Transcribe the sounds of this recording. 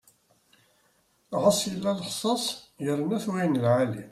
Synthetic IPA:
ʁɑsˤjəlːælħsˤɑsˤjəɾˤənæθwæjənəlʕalḭ

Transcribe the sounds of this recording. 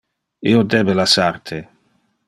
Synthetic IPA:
iod̪ebelasaɾt̪ʰe

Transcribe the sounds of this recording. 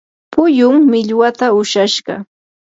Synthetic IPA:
pʊjʊmːɪʎwat̪aʊʃaʃɢɑ̰

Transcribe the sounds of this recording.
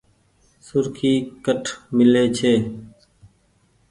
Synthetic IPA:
sʊɾkʰiːkəʈʰmɪleːt͡ʃʰeː

